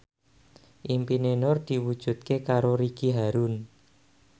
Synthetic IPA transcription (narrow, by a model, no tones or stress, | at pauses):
ʔimpinenɔrd̪̥i̤wud̥ʒ̥ṳt̪̚kekaɾoɾiɡ̥iɦaɾun